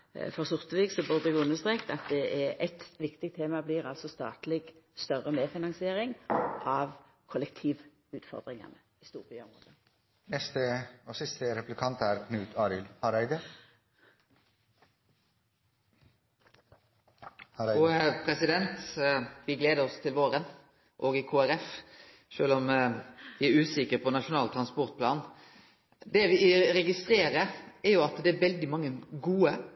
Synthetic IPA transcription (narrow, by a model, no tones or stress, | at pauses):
fɔʁsʊʁt̪əʋiːɡsɔbʉʁd̪əɛɡʊnːəʁst̪ʁeːkt̪ɑt̪̚d̪ɛʔɛʔɛt̪ʋɪkt̪ɪk̚t̪ʰeːmɑbliːʁɑlsɔst̪ɑ̰ːt̪lɪɡst̪œʁəmeːfɪnɑŋsɪeːʁɪŋʔɑʋ | kʰɔlɛk̚t̪ʰiːʋ | ʉːt̪fɔ̰ʁd̪ʁɪŋɑ̰nə | ɪst̪uːʁbyːɔmʁo̰ːd̪ə | nɛst̪əosɪst̪əɾɛplɪkʰɑnt̪æːɾkʰnʉːt̪ʰɑːɾɪlhɑɾæɪd̪ə | pʰɾɛsɪd̪ɛnt̪ʋɪɡleːd̪əɾɔst̪ʰɪlʋoːɾən | ʔoːɡɪkʰoːæɾɛf | ʃøːlɔmʋɪæɾʉːsɪkəɾpʰɔnɑʂʊnɑːlt̪ʰɾɑnspɔɾt̪̚pʰlɑ̰ːn | d̪ɛʋɪɾɛɡɪst̪ɾeːɾəæɾjʊɑt̪d̪ɛæɾʋɛld̪ɪmɑŋːəɡuːə